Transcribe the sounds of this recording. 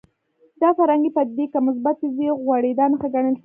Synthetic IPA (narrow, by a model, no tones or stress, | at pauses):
d̪ɑfaɾɑŋɡepəd̪ekamʊs̬bat̪ziɣwaɽed̪ɑnaxaɡaɳəlʃ